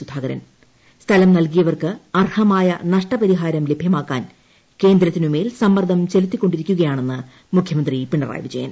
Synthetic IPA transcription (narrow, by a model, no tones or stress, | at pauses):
sud̪ʱaːɡɐɾɐ̰n | st̪ʰɐlɐmnɐlkijɐʋɐrkɨɐrhɐmaːjɐnɐʂʈɐpɐɾiɦaːɾɐmle̞bʱjɐmaːkːaːn | ke̞ːnd̪ɾɐt̪ːinume̞ːlsɐmːɐrd̪ʱɐmt͡ɕe̞lut̪ːikʲːo̞ɳɖiɾikʲːuɣɐjaːɳe̞nːɨ | mukʰjɐmɐnd̪ripiɳɖɐra̰ːjʋid͡ʑɐ̰jɐ̰n